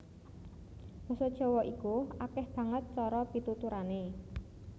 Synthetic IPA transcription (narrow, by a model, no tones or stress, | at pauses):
mɔsɔd̥ʒ̥ɔ̤wɔʔikuakɛhb̥a̤ŋət̪̚t͡ʃɔɾɔpit̪ut̪uɾane